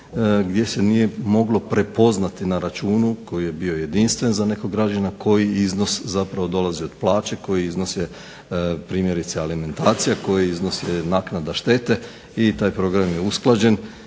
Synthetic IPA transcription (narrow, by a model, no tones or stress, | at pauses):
ɡd̪je̞senije̞mo̞ɡlo̞pɾe̞po̞znat̪inaɾat͡ʃuːnuko̞jije̞bio̞je̞d̪inst̪ʋe̞nzane̞koɡɡɾad͡ʒanakʰo̞jiizno̞szapɾaʋo̞d̪o̞lazio̞d̪̥plˠaːt͡ʃe̞ko̞jiizno̞sje | pɾiːmje̞ɾit̪sealime̞nt̪aːt̪sijako̞jiizno̞sjenaknad̪aʃt̪e̞t̪e̞ | it̪aːjpɾo̞ɡɾamjeusklˠad͡ʑe̞n